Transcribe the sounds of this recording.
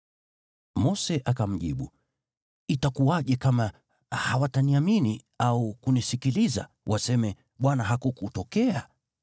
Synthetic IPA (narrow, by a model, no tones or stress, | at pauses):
mɔsɛʔakam̩ʄiɓu | itakuaʄɛkama | hawataniamini | aukunisikiliza̰ | wʔasɛmɛ | ɓwanaɦakukutɔkɛa